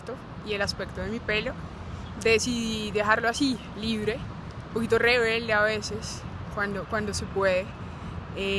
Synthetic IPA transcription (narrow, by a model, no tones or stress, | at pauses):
t̪o | ie̞laspe̞kt̪o̞ðe̞mipe̞lo̞ | d̪esiðiiðe̞xaɾloasi | liβɾe̞ | umpo̞kit̪oreβe̞ld̪eaβe̞se̞skwand̪okwand̪ose̞pwe̞ðe̞ | e